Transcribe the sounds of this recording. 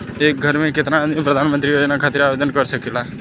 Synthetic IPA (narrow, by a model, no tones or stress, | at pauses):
eːk̚ɡʱəɾmẽkɪt̪nãpɾəd̪ʱaːnmə̃nt̪ɾijoːd͡ʒnakʰaːt̪ɪɾaːʋeːd̪ənkəɾsəkeːlaː